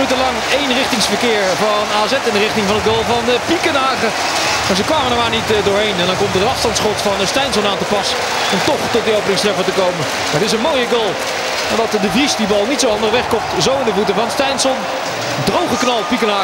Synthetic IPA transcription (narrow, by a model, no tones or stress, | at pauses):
nytəlɑŋejnrɪχtɪŋsfəɹkɪːɹvɑnaːzɛtɪndərɪχtɪŋvɑnətɡolˠvɑnəpikənaːχə | maːɹzəkʋaːmənəmaːɹnitdʊːɹɦejnɛndɑnkɔmtərənɑfstɑntsχɔtfɑnəstɛjnsɔnaːntəpɑsə | ɔmtɔχtɔt̚diowpənɪ̃ŋstrɛfətəkowmə | maːɹətɪs̬ənmoːjəɡolˠ | nadɑtdəvrisdibɑlˠnitsowɑndərʋɛχkɔp̚tzowɪndəvutəvɑnstɛjnsɔn | drowχəknɑlˠpikənaː